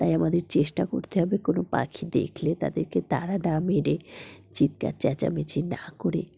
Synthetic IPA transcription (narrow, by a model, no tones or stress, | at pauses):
t̪ajamad̪eɾt͡ɕeʃʈako̰ɾt̪eɦɔbekonopa̰kʰid̪ḛkʰlet̪a̰d̪eɾket̪aɾanameɖet͡ɕit̪̚ka̰t͡ɕɛt͡ɕa̰met͡ɕʰinakoɾḛ